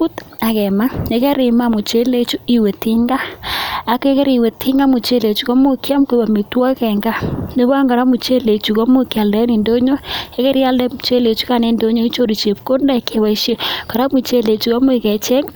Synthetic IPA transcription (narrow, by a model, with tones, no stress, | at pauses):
pu˦ta˨kɛ˨ma˦e˨˦kɛ˦ɾi˨ma˦mu˨t͡ʃe˦le˦t͡ʃu˦i˨we˨ti˦ŋɡaː˦˨ | ke˦kɛ˦ɾi˨i˨we˨tʰi˦ŋɡa˦mu˨t͡ʃe˦le˨t͡ʃu˦kɔ˦mo˦kja˦mke˨ba˨mi˨twa˦kɛ˨ŋɡa˦ne˦βa˦ŋɡa˨ɾa˦mu˨t͡ʃe˦le˨t͡ʃu˨kɔ˦mu˦kja˨ldɛ˦ni˨ndo˦ɲo˦e˦kɛ˦ɾja˦ldɛ˦mu˨t͡ʃe˦le˨t͡ʃu̥˦ka˨ne˨˦ndo˦ɲo˦i˦t͡ʃo˦ɾi˨t͡ʃe˨p̚ko˦nda˦˨ke˨wa˨˦i˦ʃe˦ka˨ɾa˦mu˨t͡ʃe˦le˨t͡ʃu˨kɔ˦mu˦e˨kɛ˨t͡ʃe˦ŋ